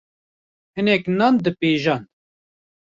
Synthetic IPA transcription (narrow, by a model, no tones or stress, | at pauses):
hɨnɛknaːnd̪ɨpeːʒɑːn